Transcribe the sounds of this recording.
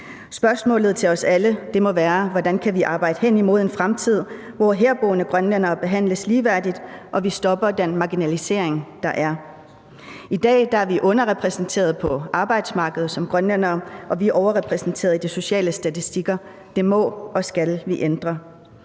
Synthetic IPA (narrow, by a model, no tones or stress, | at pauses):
sb̥ɶɐsmɔ̰̽ːlð̞̩ˠt͡sʰe̝lɒ̽sæləd̥e̝mɒ̽ʋæːɐʋɒdænkʰæʋiʔɑ̈ːb̥ɑ̈ɪd̥ə̥ɦen̰imo̝ð̞ˠe̝nfʁamt͡sʰið̞̰ˠ | ʋɒɦeɐb̥ɔ̰ːnəɡ̥ʁɶnlen̰ɐːb̥e̝ɦæn̰ləsliːʋæɐ̰did̥ʔɒ̽ʋisd̥ɒ̽b̥ɐd̥enmɑ̈ɡ̥inælise̝ɐ̰eŋd̥ɑ̈ʔæɐ | id̥ɛ̰ːd̥ɑ̈æɐʋiʔɔ̽nɐʁɛpʰʁɛsn̩t͡sʰe̝̰ːɐð̞̩ˠpʰɒ̽ɑ̈ːb̥ɑ̈ɪd̥smɑ̈ːɡ̥əð̩ˠsɒ̽mɡ̥ʁɶnlen̰ɐːʔɒ̽ʋiæʔɒʊɐʁɛpʰʁɛsn̩t͡sʰe̝̰ːɐðˠdiso̝ɕɛ̰ːləsd̥æt͡sʰisd̥iɡ̥ɐ | d̥e̝mɒ̽ɒ̽sɡ̥ælʋiʔend̥ʁɐ